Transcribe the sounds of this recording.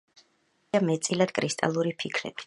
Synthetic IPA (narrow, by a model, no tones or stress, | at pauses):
amɛt̪sʼilad̪̥kʼɾist̪ʼa̰lˠuɾipʰikʰɾɛ̰bi̥